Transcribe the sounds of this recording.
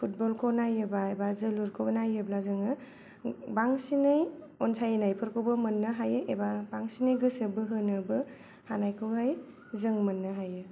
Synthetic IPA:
pʰut̚bɔlkʰonajɯbaebazɯluɾkʰowbnajɯblazɯŋɯ | baŋsinɯj | ɔnsʰajenajpʰɯɾkʰowbɯmɯnːɯɦajɯʔebabaŋsinɯjɡɯsɯbɯɦɯnɯbɯ | hanajkʰɯwɦaj | zɯŋmɯnːɯɦajɯ

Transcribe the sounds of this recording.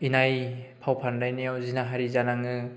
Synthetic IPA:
inajpʰawpʰandajnijawzinaɦaɾizanaŋɯ

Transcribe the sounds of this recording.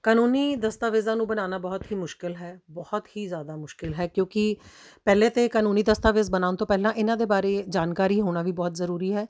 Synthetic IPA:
kaːnuːniːd̪əst̪aːʋeːzãːnũːbənaːnaːbɔːt̪ɦiːmʊʃkɪlɦɛːbɔhɔt̪hiːzjaːd̪aːmʊʃkɪlɦɛːkjõːkɪpɛːleːt̪eːkaːnuːniːd̪əst̪aːʋeːzbənaːʊnt̪õːpɛːlãːʔɪnãːd̪eːbaːɾeːd͡ʒaːnkaːɾiːɦoːnaːʋiːbɔːt̪zəɾuːɾiːɦɛː

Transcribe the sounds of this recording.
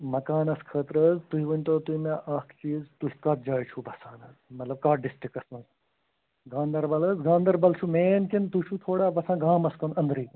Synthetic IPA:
mɐkaːnɐskʰəːt̪ɾɐzt̪uɦiʋɐnʲt̪oːt̪uimeʔɐkʰt͡ʃiːzt̪uɦikɐt̪̚d͡ʒaːjt͡ʃʰubɐsaːnɐzmɐt̪lɐb̚kaːɖɪsʈɾikɐsɐ̃z | ɡãːnd̪ɐɾbɐlɐsɡãːnd̪ɐɾbɐlt͡ʃʰumeːnkint̪ut͡ʃʰut̪ʰoːɽaːbɐsãːɡaːmɐskonɐnd̪ɾiː

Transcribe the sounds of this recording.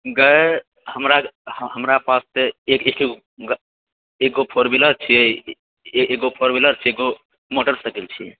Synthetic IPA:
ɡəe | həmɾahəmɾapast̪eekeke | ɡ | ekopʰoɾbiləɾt͡ʃʰi | eɡopʰoɾbiləɾt͡ʃʰieɡo | moʈəɾsəkilt͡ʃʰiɛ

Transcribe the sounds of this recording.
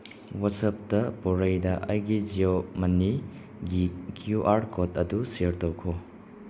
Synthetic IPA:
watsɐp̚tɐpɔɾɐjdɐʔɐ̰jɡid͡ʒiomɐnːi | ɡikʰjuʔaɾkotɐdusiɾtowkʰo

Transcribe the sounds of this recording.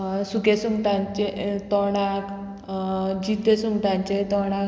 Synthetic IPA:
suɡesuŋɡʈ̪ãɲt͡ɕet̪ɔɽak | d͡ʑit̪ːesuŋɡʈ̪ãɲt͡ɕet̪ɔɽ̃a

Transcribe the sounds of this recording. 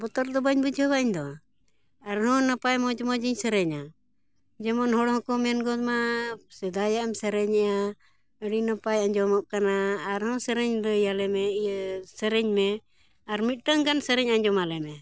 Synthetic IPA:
bɔt̪ɔɾd̪ɔbaɲbud͡ʒʱɔbaʔiɲd̪ɔ | aɾɦɔ̃napajmɔd͡ʒɔmɔd͡ʒiɲsəɾɛɲa | d͡ʒɛmɔnɦɔɽhɔ̃kɔmɛnɡɔmasɛd̪ajaʔɛmsəɾɛɲɛʔa | əɽinapajaɲd͡ʒɔmɔʔ̚kanaːɾhɔ̃səɾɛɲd̪ɔjalɛmɛjsəɾɛɲmɛ | aɾmit̪̚ˀʈəŋɡansəɾɛɲaɲd͡ʒɔmalɛmɛ

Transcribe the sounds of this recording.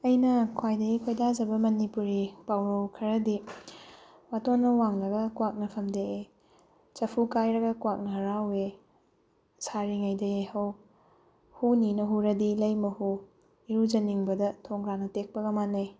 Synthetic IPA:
ɐjnɐkʰwajdɐjikʰojdad͡ʒɐbɐmɐnipuɾipawɾɐwkʰɐɾɐdi | watonːɐwaŋlɐɡɐkwak̚nɐpʰɐmdee | t͡ʃɐpʰukajɾɐɡɐkwak̚nɐɾawe | saɾiŋɐjdɐehɐw | huninɐɦuɾɐdilɐjmɐhu | iɾud͡ʒɐniŋbɐdɐtʰoŋɡɾanɐtek̚pɐɡɐmanɐj

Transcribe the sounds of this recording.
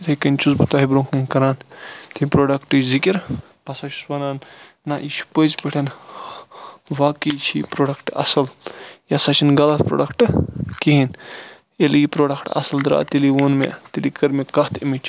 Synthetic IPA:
t̪ʰekɐnʲt͡ʃuzbut̪aːɦibɾõŋkːɐkɐɾaːnt̪ʰimʲpɾoːɖɐkʈɨzikiɾ | pɐsat͡ʃʰu̥sʋɐnaːnː | aʔiʃʰu̥pozpeʈʰɐn | ʋaːkit͡ʃʰipɾoːɖɐkʈɐ̰sɐljɐsɐt͡ʃʰinɡɐlɐt̪̚pɾo̰ːɖɐkʈɨkiɦin | eliɡipɾoːɖɐkʈɐ̰sɐld̪ɾa̰ːt̪iliʋoːnmḛt̪ilikɐɾmekɐht̪ʰimit͡ʃ

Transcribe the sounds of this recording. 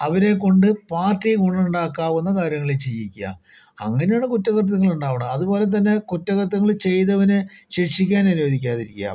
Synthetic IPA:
ɐʋɐɾe̞kːo̞ɳɖɨpaːrtːikuɳɐuɳɖaːkːaːʋenːɐkaːɾjɐŋːɐɭit͡ɕejikʲːua̰ː | ɐ̰ŋːɐne̞jaːɳɨkutːɐɣɐrt̪̬ɐŋːɐɭuɳɖaːʋɐɳɐmɐðubo̞ːlet̪̬ɐnːe̞kutːɐɣɐrt̪ːɐŋːɐɭt͡ɕe̞jt̪ɐʋɐneɕiʂikʲːaːnɐnuʋɐd̪ikʲːaːðiɾikʲːja̰ːm

